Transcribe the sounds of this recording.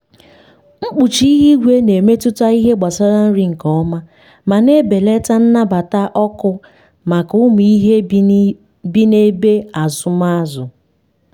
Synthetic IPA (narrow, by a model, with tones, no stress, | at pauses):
ŋ͡m̩˦k͡pu˨t͡ʃi˦i˦ɦi˦ɡʷe˦ne˨me˦tʊ˦ta˦i˦ɦe˦ɡ͡ba˨sa˦ɾa˦n̩˦ɾi˦ŋ̩˨kɔ˦ma˦ | ma˨ne˦be˨le˦ta˦n̩˦na˦ba˨ta˦ʔɔ˦kʊ˦ | ma˨kʊ˦m˨i˦ɦe˦ | bi˦ne˦be˦a˨zʊ˦ma˦zʊ˨